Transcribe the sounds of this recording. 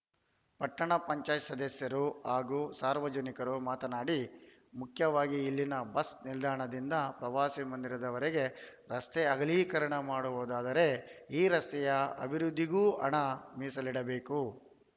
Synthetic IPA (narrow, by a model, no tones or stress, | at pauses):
pɐʈːɐɳɐpɐɲt͡ʃaːjsɐd̪ɐsjɐɾuɦaːɡuːsaːɾʋɐd͡ʒɐnikɐɾumaːt̪ɐnaːɽi | mukʰjɐʋaːɡiːlːinɐbɐsnild̪ʱaːɳɐd̪ind̪ɐpɾɐʋaːsimɐnd̪iɾɐd̪ɐʋɐɾeɡe̞ɾɐst̪eɐɡɐlikɐɾɐɳɐmaːɽuʋoːd̪aːd̪ɐɾe̞iːɾɐst̪ɛjɐɐ̰bʱiɾud̪ʱːiɡuːɐ̰ɳɐmiːsɐliɽɐbeːku